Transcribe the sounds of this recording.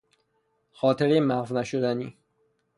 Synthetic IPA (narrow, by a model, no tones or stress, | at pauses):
xɒːt̪ʰeɾemæɣvnæʃod̪æniː